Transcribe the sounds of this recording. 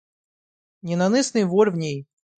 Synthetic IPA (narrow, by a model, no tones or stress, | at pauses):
nʲɪnanɨsnɨjvɔrvnʲej